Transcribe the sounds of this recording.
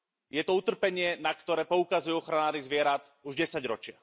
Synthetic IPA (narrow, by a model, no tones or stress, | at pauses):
jɛt̪ɔut̪r̩pɛɲɪɛnakt̪ɔɾɛːpɔukazujuɔxɾanaːɾizʋɪɛɾat̪ | uʒɟɛsaɟɾɔt͡ʃɪa̰